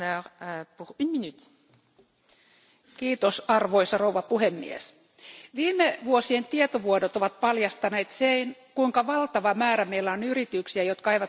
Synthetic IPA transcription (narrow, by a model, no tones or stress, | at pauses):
øːʁpuʁynminyt̪ | kiːt̪osɑrʋoisɑrouʋɑpuhemːḭḛs | ʋiːmeʋuosient̪iet̪oʋuodot̪oʋɑt̪̚pɑljɑst̪ɑneːt̪seinkuiŋkɑʋɑlt̪ɑʋɑmæːɾæmeilːæonyrit̪yksiæjot̪kɑɑijʋɑt̪